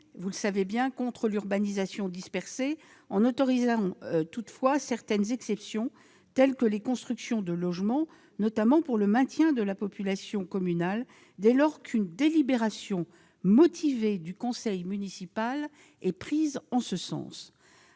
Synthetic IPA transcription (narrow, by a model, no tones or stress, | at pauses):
vuləsavebjɛ̃kɔ̃t̪χəlyʁbanizasjɔ̃d̪ispɛʁseɑ̃nɔt̪ɔʁizɑ̃t̪ut̪fwasɛʁt̪ɛnzɛksɛpsjɔ̃ | t̪ɛlkəlekɔ̃st̪χyksjɔ̃d̪əlɔʒmɑ̃ | nɔt̪amɑ̃puʁləmɛ̃t̪jɛ̃d̪əlapɔpylasjɔ̃kɔmynal | d̪ɛlɔʁkʰynd̪elibeʁasjɔ̃ | mɔt̪ʰived̪ykɔ̃sɛjmynisipal | ɛpχizɑ̃səsɑ̰̃s